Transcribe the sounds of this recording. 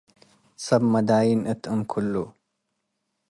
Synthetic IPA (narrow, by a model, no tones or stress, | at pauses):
sɐbmɐd̪aːjinɨt̪ʰɨmkʰʊlːu